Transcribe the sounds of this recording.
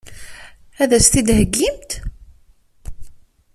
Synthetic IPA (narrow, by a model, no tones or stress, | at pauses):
æðæst̪id̪ɦəɡːimt̪